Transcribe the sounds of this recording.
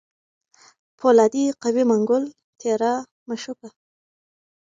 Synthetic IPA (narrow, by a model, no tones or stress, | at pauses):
pʰolɑd̪iqawimaŋɡʊl | t̪ʰeɾa | maʃuka